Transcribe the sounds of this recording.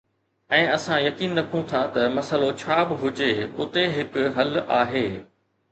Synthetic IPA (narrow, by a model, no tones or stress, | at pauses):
ɛ̃ːɐsãjɐkiːnːɐkʰũt̪ʰat̪ɐmɐsəlot͡ɕʰaːbɪɦʊd͡ʑeʊt̪eɦɪkʊɦɐlaːɦeː